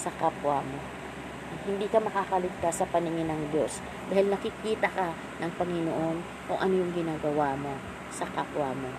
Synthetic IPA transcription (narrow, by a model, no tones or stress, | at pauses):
sɐkapwamo̞ | hɪnd̪iːkɐmɐkaːkɐlɪɡ̚t̪asːɐpɐnɪŋɪnɐŋd̪jo̞s | d̪aːhɪlnɐkɪkiːt̪ɐkɐ | nɐŋpɐŋɪnoʔo̞n | kʊŋʔɐnojʊŋɡɪnaːɡɐwaːmo̞ | sɐkapwamo̞